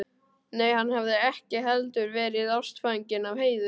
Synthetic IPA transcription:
neːjhanːhavðɪɛhcɪɦɛlt̪ʏɾvɛːɾɪðawst̪faɲcɪnavheːjðʏ

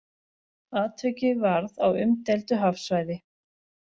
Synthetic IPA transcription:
aːt̪ʰœɥcɪvaɾðawʏmt̪ɛlt̪ʏɦafsvajðɪ

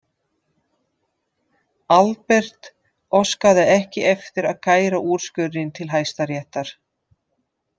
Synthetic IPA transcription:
alpɛr̥t̪ | ɔskaðɪɛhcɪɛft̪ɪɾaðkaːjɾaʔuːɾ̥skʏɪnt̪ʰɪlɦaːjst̪aɾjɛht̪aɾ̥

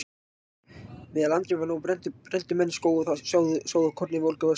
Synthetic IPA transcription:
vɪðalant̪ɾɪvaɾnuwpɾɛnt̪pɾɛnt̪ʏmɛnːskowɣʏθasjaːwðʏsjaːwðʏkʰɔɾt̪nɪvowlkʏva

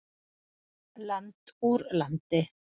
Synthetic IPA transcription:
lant̪uɾlant̪ɪ

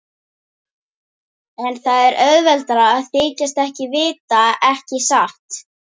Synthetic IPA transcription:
ɛnθaðɛɾœðvɛlt̪aɾaːðθɪːcast̪ɛhcɪvɪːt̪aɛhcɪsaht̪

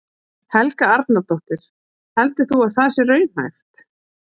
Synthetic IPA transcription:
hɛlkaaɾt̪nat̪ɔht̪ɪɾ̥ | hɛlt̪ɪ̥θuaðθaðsɛɾœːɥm̥ha̰jft̪

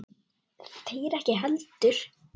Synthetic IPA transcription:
θθʰejɛɾɛhcɪɦɛlt̪ʏɾ̥

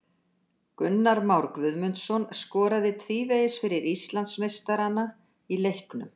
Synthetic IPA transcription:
kʏnːaɾmawɾkvʏðmʏnt̪sɔnskɔːɾaðɪt̪ʰviːvejɪsfɪɾɪɾist̪lant̪smest̪aɾana | ilejhknʏm

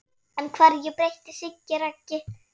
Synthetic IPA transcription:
ɛnkʰvaːɾðjɛpɾejht̪ɪsɪcːɪɾacːɪ

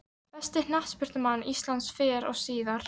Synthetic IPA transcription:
pɛst̪ɪn̥ah̪spʏɾ̥t̪ʏmanːist̪lansfɛːɾɔ̰ɣsiːðaɾ̥

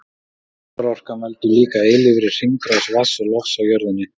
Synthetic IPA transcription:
ɾar̥kanvɛlt̪ʏliːkaeːjlɪvɾɪ̥r̥iŋkɾawsvasalɔfsawjœɾðʏnːɪ

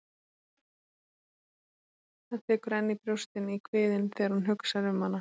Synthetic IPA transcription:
θaðθɛːkʏɾɛnːipɾjowst̪ɪnikʰvɪːðɪnθɛːaɾ̥hunɦʏksaɾʏmhanːa

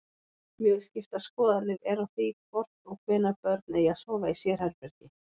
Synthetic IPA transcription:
mjʏːðscɪft̪askɔːðanɪðɛɾawθikʰvɔr̥t̪nɔɣkʰvɛːnapœɾt̪nɪiaðsɔːvaisjɛɾ̥hɛɾpɛɾ̥cɪ

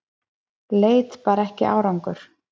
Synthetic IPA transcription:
leːjt̪paːɾɛhcɪ̰ʔa̰ːwɾawŋkʏɾ̥

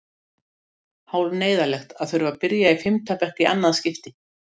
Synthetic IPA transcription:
haːwlneːjðalɛxt̪aðθʏɾvapɪɾjaifɪmt̪ʰœpɛhkɪʔa̰nːaðscɪft̪ɪ

